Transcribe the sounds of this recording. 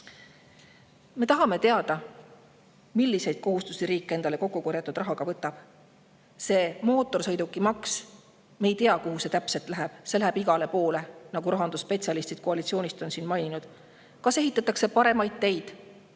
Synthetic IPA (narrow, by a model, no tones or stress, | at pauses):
me̞t̪ɑɦɑme̞t̪e̞ɑd̪ɑ | milːise̞jd̪̥̚ko̞ɦust̪usiɾiːkːˑe̞nd̪ɑle̞ko̞kːuko̞ɾjɑt̪ːˑud̪rɑɦɑɡ̥ɑvɤt̪ːˑɑb̥ | se̞mo̞ːt̪ːˑo̞rsɤ̞jd̪ukːˑimɑks | mejt̪eɑkuhuse̞t̪æpse̞lt̪ˑlæɦeb̥se̞læɦæb̥iɡ̥ɑle̞po̞ːle̞nɑɡuɾɑɦɑnd̪uspe̞t̪ʲsiɑlist̪id̪̥̚koɑlit̪sio̞ːnʲist̪o̞nsiːnmɑjnʲinud̪̥ | kɑseɦit̪ːˑɑt̪ːˑɑkse̞pɑɾe̞mɑjd̪̥̚t̪ːejd̪̥